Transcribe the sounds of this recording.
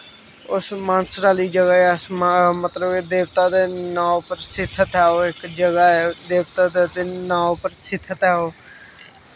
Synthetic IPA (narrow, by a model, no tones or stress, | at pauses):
ʊsmansɾaːliːd͡ʒəɡaːɛsmət̪ləbed̪eːʋt̪aːd̪eːnãːopəɾsɪt̪ʰːət̪aːoːɪkd͡ʒəɡaːɛd̪eːʋt̪aːd̪ed̪eːnãːopəɾsɪt̪ʰːət̪aːoː